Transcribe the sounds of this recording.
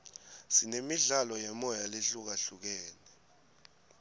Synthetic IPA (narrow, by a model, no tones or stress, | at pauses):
sinemiɮalɔjɛmɔjaleɬuk̬aɬuk̬ɛːnɛ